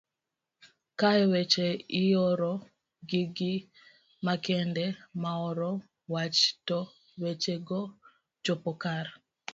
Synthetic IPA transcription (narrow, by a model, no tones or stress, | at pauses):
kaɛwet͡ʃeɪjɔɾɔ | ɡiɡi | makɛndɛmaɔɾɔ | wat͡ʃtɔ | wet͡ʃeɡɔ | d͡ʒɔpɔkar